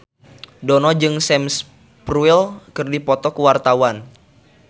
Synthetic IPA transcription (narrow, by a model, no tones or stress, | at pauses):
dɔnɔd͡ʒɨŋsɛms | pruilkɨrdipɔt̪ɔkəwart̪awan